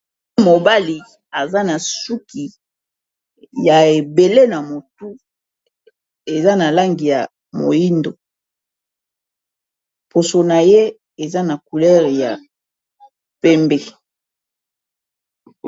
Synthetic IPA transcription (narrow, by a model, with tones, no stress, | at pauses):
mo˨ba˦li˨ | a˨za˦na˨su˦ki˨ | ja˨e˨be˨le˦na˨mo˨tu˦ | e˨za˦na˨la˦ŋɡi˨ja˨ | mo̰˨ji˦ndo˨ | pʰo˨so˨na˨je˦ | e˨za˦na˨ku˨lɛ˦ʁe˨ja̰˨ | pɛ˦mbe˨